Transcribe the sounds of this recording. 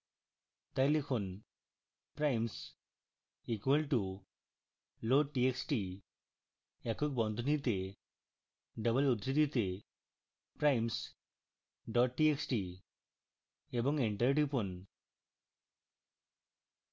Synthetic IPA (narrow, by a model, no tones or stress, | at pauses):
t̪elifʰon | pɾajms | ikʋəlʈu | loʈieksʈi | ɛkʰok̚bɔ̃nd̪ʱnit̪e | ɖəbəlud̪ɾit̪it̪e | pɾajms | ɖɔʈ̚ʈieksʈi | ebɔ̃ŋɡeɳʈəɾʈipun